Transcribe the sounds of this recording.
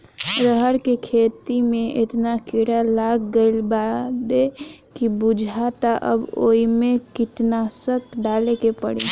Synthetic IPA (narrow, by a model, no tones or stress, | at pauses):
ɾəɦəɾkekʰet̪imẽʔet̪nakiɽalaɡɡəlbad̪ekibud͡ʒʱat̪aʔə̰bo̰imekiʈ̪nasəkɖalekepəɽi